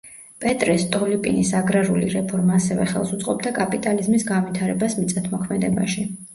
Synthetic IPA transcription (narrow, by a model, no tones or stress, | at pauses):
pʼɛt̪ʼɾɛst̪ʼɔlipʼḭnisaɡɾaɾuliɾɛpʰɔɾmaːsɛvɛ̰χɛ̰lˠsut̪sʼqʼɔb̚d̪akʼapʼit̪ʼalizmisɡanvit̪ʰaɾɛbasmit̪sʼat̪ʰmɔkʰmɛd̪ɛba̰ʃi